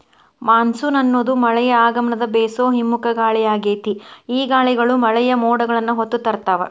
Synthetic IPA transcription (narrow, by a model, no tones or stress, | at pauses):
maːnsunɐnːoːd̪umɐɭɛjɐaːɡɐmɐɳɐd̪ɐbɛːsoːɦimːukɐɡaːɭɛjaːɡeːt̪iiːɡaːɭɛɡɐɭumɐɭɛjɐmɔːɽɐɡɐɭɐnːuɦot̪ːut̪ːɐɾt̪aːʋɐ̰